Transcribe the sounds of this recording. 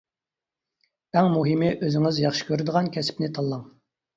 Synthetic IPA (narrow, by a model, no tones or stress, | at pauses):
æŋmuɦɪmɪʔøzɪŋɪzjɑχʃɪ̥kʲʰøɾɪd̪əʁɑnkʲʰɛsɪ̥pnɪt̪ʰɑlˠːɑŋ